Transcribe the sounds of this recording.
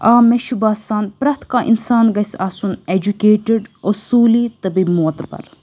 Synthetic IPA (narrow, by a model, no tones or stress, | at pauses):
aːmeʃubaːsaːnpɾɐt̪kaːʔḭnsaːnɡɐsaːsuned͡ʒukeːʈɪɖosuːliːt̪ɐbimoːt̪bɐ̰ɾ